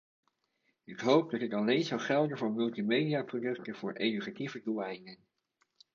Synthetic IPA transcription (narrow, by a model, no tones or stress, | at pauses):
ɪkɦowp̚dɑtɪtɑlejnzɑwχɛlˠdəvʊːɹmɵlˠtimejdiaprodɵk̚təv̥ʊːɹʔejdykativəduajɪnən